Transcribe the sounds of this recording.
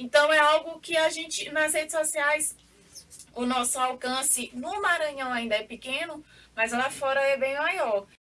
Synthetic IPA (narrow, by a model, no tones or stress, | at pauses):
ẽnt̪ɐ̃w̃ɛawɡʊkɪaʒẽnt͡ʃɪnɐshed͡ʒɪsosiajs | ʊnɔsʊawkɐ̃sɪnʊmaɾɐ̃ɲɐ̃w̃aĩnd̪ɐɛpɪkẽnʊmɐzlafɔɾɐɛbẽj̃majɔɾ